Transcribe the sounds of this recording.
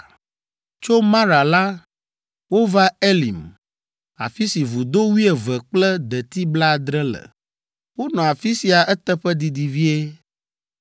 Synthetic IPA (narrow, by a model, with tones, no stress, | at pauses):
t͡ʃo˦mã˦ɾa˨la˦ | wo˦va˦e˦lḭ˨m | a̰˨fi˦si˨vu˨d̪o˦wi˦e˨vɛ˨k͡plɛ˦d̪ɛ˨t̪i˦bla˦˨d̪ɾɛ˦lɛ̰˨ | wo˦nɔ̃˨a˨fi˦si˨a˨ɛ˦t̪ɛ˦ɸɛ˦d̪i˨d̪i˨vi˦e˦